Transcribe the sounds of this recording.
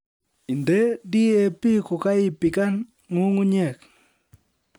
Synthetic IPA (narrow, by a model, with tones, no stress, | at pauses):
i˨nde˦di˦e˨pi˦ko˨ka˦ɪ˦pi˨ka˦n | ŋu˦ŋu˦ɲɛ˦˨k